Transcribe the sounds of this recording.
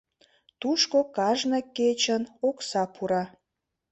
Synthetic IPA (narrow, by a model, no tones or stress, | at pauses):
t̪uʃkokɑʒnəkːet͡ɕənoksɑpʰuɾɑ